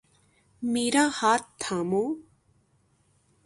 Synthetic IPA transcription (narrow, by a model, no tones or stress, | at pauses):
miːɾaːhaːt̪t̪ʰːaːmõː